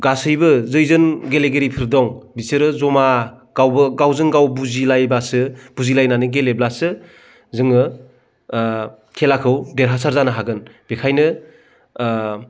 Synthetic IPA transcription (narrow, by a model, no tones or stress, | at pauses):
ɡasɯjbɯzɯjzɯnɡeleɡeɾipʰɯɾdɔŋbisɯɾɯzɔmaɡ̥awbɯɡawzɯŋɡawbuzilajbasɯb̥uzilajnanɯɡeleblasɯ | zɯŋɯ | kʰelakʰɯwdeɾɦasaɾzanɯɦaɡɯnb̥ekʰajnɯ